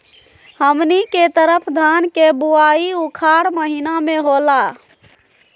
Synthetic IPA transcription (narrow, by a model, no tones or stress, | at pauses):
həmniket̪əɾəpʰd̪ʱankebuaiukʰaɾməɦinameɦola